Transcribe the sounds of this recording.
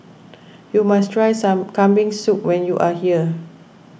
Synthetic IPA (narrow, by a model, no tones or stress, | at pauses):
jumastʰɹajsãmkãmbĩŋsuk̚wɛ̃njuʔahiə